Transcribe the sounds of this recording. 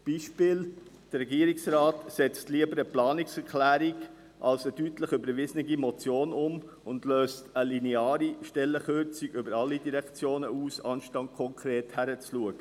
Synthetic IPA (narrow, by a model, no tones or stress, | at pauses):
b̥iːʃpɪːld̥əɾɛɡiəɾɪksɾɑːtsɛt͡stliəbəɾəplɑːnɪksɛɾkʰlæːɾiɡ | ʔɑlsəd̥ytləχʏbəɾʋɪzn̩ɪɡimɔt͡sjoːnʊm | ʊndløːstəlineɑːɾiʃtɛlːəχʏɾt͡sɪɡʏbəɾɑlːidiɾɛkt͡sjoːnəuːsɑ̰nʃtɑnt̚kʰɔŋkʰɾeːthæɾət͡sluəɡ̥ə